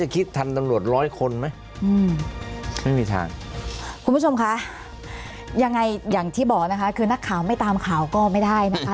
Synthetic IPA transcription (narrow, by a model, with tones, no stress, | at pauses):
t͡ɕa˨˩kʰi˦˥t̪ʰːa˧nt̪a˧mɾu˨˩ət̪̚ɾɔː˦˥jkʰo˧nma˦˥j | ʔɯː˧m | ma˥˩jmiː˧t̪ʰa̰ː˧˩ŋkʰu˧npʰu˥˩t͡ɕʰo˧mkʰa˦˥ʔ | ja˧ŋːa˧jjaː˨˩ŋt̪ʰiː˥˩bɔː˨˩k̚na˦˥kʰa˦˥kʰɯː˧na˦˥kʰːaː˨˩˦wma˥˩jt̪aː˧mkʰaː˨˩˦wkɔː˥˩ma˥˩jda˥˩jna˦˥kʰa˦˥